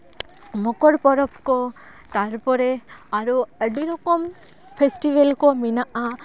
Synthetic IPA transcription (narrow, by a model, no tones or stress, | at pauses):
mɔkɔɾpɔɾɔpkɔ | t̪aɹpɔɾeaɾuəɖiɾɔkɔm | pʰesʈibelkɔminaʔa